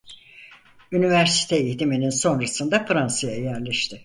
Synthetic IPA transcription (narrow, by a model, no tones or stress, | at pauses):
ynivæɾsi̥t̪ʰɛiçt̪imininso̞nɾasɯnd̪afɾansajajæɾlʲɛʃt̪ʰɪ